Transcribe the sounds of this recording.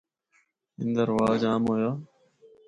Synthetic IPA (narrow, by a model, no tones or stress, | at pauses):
ɪ̰nd̪əɾʋaːd͡ʒaːmɦoːjaː